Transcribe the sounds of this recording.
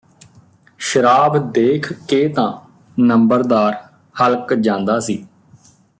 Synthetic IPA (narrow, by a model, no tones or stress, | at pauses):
ʃəɾaːbd̪eːkʰkeːt̪ãː | nəmbəɾd̪aːɾ | həlkd͡ʒãːnd̪aːsiː